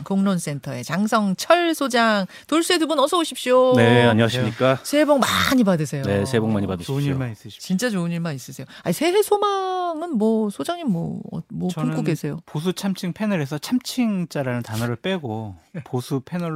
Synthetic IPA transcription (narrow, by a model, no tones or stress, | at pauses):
koŋnons͈e̞ntʰʌe̞t͡ɕaŋsʰʌŋt͡ɕʰʌɭsʰod͡ʑaŋ | toɭs͈uedubunʌs͈ʰʌoɕʰip̚ɕ͈oneaɲiwaɕ̬ʰimɲik͈asʰeboŋma̰ɲibadɯsʰe̞jonesʰeboŋmaɲibadɯɕiiɭmis͈ɯɕt͡ɕint͡ɕ͈at͡ɕoɯɲiɭmanis͈ɯsʰe̞joaisʰe̞we̞sʰomaŋɯnmwʌsʰod͡ʑaŋɲimmwʌ̰ʌ̰mwʌumk͈uɡesʰe̞jopos̬ʰut͡ɕʰamt͡ɕʰiŋpʰe̞nɯɾe̞sʰʌt͡ɕʰamt͡ɕʰiŋt͡ɕ͈aɾanɯntanʌɾɯɭp͈e̞ɡoposʰupʰe̞nʌɭ